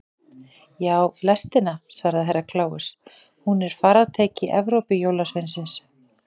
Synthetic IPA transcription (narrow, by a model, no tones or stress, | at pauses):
jaːwlɛst̪ɪnasvaːɾðɪɦejrːakʰlaːwʏs | hunɛɾ̥faːɾaðt̪ʰeːcɪʔɛvɾowpɪjoːwlasvejnsɪns